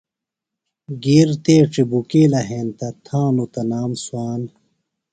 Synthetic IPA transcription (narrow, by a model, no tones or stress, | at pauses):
ɡiːɾt̪eːʈ͡ʂibukeːlɐɦẽːnt̪ɐt̪ʰãːnut̪ɐnaːmswaːn